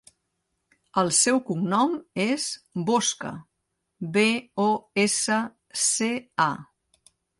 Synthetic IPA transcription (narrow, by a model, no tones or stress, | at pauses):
əlˠsɛwkumnɔmezboskə̰ | βeoesə | sea